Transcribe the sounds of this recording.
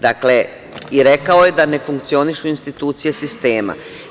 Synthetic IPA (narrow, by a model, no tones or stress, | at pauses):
d̪akle̞ | iɾe̞kao̞je̞d̪ane̞fuŋkt̪sio̞niʃuinst̪it̪uːt̪sije̞sist̪e̞ːma̰